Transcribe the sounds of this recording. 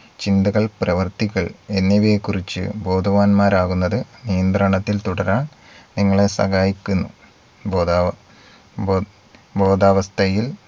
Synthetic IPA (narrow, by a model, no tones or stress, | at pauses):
t͡ɕind̪ɐɣɐɭprɐʋɐrt̪iɣɐɭenːɐʋiekːurit͡ɕːɨ̰bo̞ːd̪ʱɐʋaːnmaːɾaːɣunːɐðɨnijɐnd̪rɐɳɐt̪ːilt̪uɽɐɾaːɳ | niŋːɐɭe̞sɐ̰ɣaːjikʲːunːṵ | bo | bo̞ːd̪aːʋɐst̪ʰɐjil